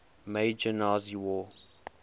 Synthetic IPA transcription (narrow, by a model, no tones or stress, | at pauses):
med͡ʒənaːziwɔː